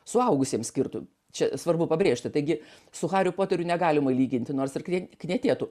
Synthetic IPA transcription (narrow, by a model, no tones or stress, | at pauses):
sʊɐʊɡʊsʲiɛmsʲkʲɪrt̪ʊ̰ | t͡ʃʲɛsʋɐrbʊpɐbʲɾʲeːʃʲt̪ʲɪt̪ɐɪɡʲɪ | sʊxɑːɾʲʊpoːt̪ʲɛɾʲʊnʲɛɡɑːlʲɪmɐɪlʲiːɡʲɪnʲt̪ʲɪnoːrsɪrkʲknʲiɛt̪ʲeːt̪ʊ